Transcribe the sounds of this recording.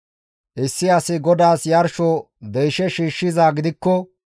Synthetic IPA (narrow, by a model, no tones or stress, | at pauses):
ʔɪsːɪɐsɪɡɔd̪aːsjɐɾʃɔ | d̪ɛjʃɛʃiːʃːɪzaːɡɪd̪ɪkːɔ